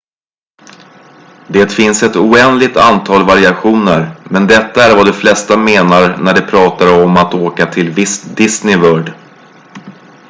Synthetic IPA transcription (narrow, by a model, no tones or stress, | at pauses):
d̪eːt̪fɪnsɛt̪uːɛnd̪lɪɡ̚t̪a̰nt̪ʰɑːlvaɾɪaɧuːnəɾmɛnd̪ɛt̪ːaæɾvad̪ɔflɛst̪ameːnaɾnæɖɛpʰɾɑːt̪aɾɔmat̪oːkat̪ʰɪlvɪsd̪ɪsnɪvœːɖ